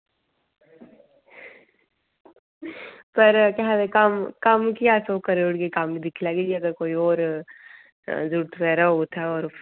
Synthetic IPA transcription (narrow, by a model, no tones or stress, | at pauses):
pɐɾkaɦad̪ekɐmkɐmkiat̪okɐɾeʊɽɡekaːmid̪ɪkʰlaːɡed͡ʒiɐɡəɾkoːiɔːɾ | d͡ʒuɽt̪ʰpɛːɾaɦot̪ʰaɔːɾ